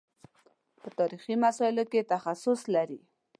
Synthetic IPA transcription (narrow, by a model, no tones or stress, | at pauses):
pət̪ɑɾiχimasɑɪloket̪axasʊslaɾi